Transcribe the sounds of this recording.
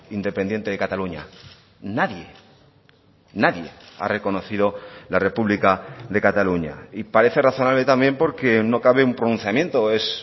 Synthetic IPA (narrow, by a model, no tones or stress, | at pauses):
ind̪e̞pe̞nd̪je̞nt̪eðekat̪aluɲa̰ | naðje̞ | naðje̞̰a̰re̞ko̞no̞θið̞o̞lare̞puβlikaðe̞kat̪aluɲa̰ipaɾe̞θe̞raθo̞naβle̞t̪ambje̞mpo̞ɾke̞no̞kaβeumpɾonũn̟θjamje̞nt̪o̞e̞s